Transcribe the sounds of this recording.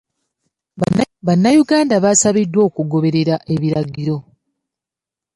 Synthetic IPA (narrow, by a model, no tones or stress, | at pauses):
βanːajuɡaːndaβasaβidwo̞ːkuɡo̞βe̞ɾe̞ɾaʔe̞βiɾaɡiɾo̞